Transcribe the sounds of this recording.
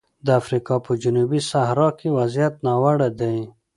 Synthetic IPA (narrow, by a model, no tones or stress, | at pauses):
d̪əafɾikɑpəd͡ʒunubisahɾɑkʰewazijat̪nɑwaɽad̪aj